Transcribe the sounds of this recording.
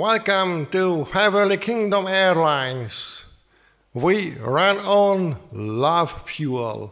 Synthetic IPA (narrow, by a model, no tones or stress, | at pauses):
wɛlˠkə̃mtufɛvəlikʰɪ̃ŋdə̃mɛɹlãɪ̃ns | wiɹæ̃nɔ̃nlʌv̥fjuə̰lˠ